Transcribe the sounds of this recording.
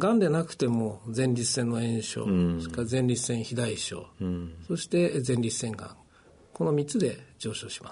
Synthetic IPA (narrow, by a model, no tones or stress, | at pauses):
ɡãnd̪e̞nakɯ̟̥t̪e̞mo̞d͡zẽ̞ɲɾʲit͡sɨ̥sẽnːo̞ẽ̞ɰ̃ɕo̞̰ːokazẽ̞ɲɾʲit͡sɨ̥sẽ̞ɰ̃çid̪aiɕo̞̰ːso̞ɕi̥t̪e̞zẽ̞nʲɾʲisẽ̞ŋɡã̰ŋ | ko̞no̞mʲit͡sɨd̪e̞d͡ʑo̞ːɕo̞ːɕi̥ma